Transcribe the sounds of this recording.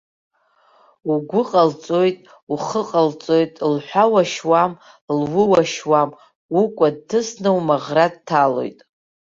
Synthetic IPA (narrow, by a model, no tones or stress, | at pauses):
uɡʷʊqʼalt͡sʼo̞jtʼ | uχəqʼalt͡sʼo̞jtʼlħʷᶣawaʃwam | lwɨwaʃwam | ukʷʼad̚tʰɨsnɨwmaʁrad̚tʰalo̞̰jtʼ